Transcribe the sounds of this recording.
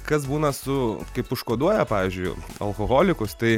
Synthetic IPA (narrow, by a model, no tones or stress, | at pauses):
kɐs̬buːnɐsʊkɐɪpʊʃkoːd̪uɔjɛpɑːʋʲiːzʲd͡ʒʲʊɪɐ̰lˠkoːɣoːlʲɪkʊst̪ɐɪ